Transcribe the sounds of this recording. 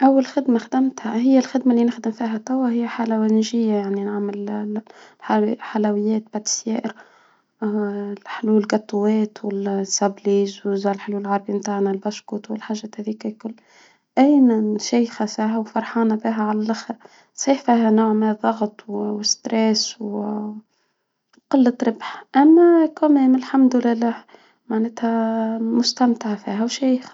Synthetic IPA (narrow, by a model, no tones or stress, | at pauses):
ʔawːalxɪd̪maxd̪ɪmt̪hahɪjːalxɪd̪malːinɪxd̪ɪmfiːɦat̪ˤːɑwːaɦɪjːaħalawænʒɪjːajaʕninɪʕmɪl | ħalawɪjːɛːt̪̚baʕd̪̥sjɛːʔɪɾ | ħɪluːɪlɡɑt̪ˤːʊwɛːt̪wɪlsabliːzwzalħɪluːlɪlʕɑɾˤbimt̪aːʕnalbaʃkuːt̪wɪlħaʒːahæðiːkakʊlː | ʔæjnæʃæːjxæsaːɦæwfɑɾˤħɑːnabiːɦæʕalælʔaxɾ | sˤiːħfiːhænoːʕmɪnðˤːɑɣt̪ˤwwɪst̪ɾɛːsw | qɑlːət̪ɾɪbħʔæmːækʊmeːmɪlħamd̪ɪlɪlːæːh | maʕnæːt̪hæmʊst̪æmt̪aʕfiːɦæwʃæːjx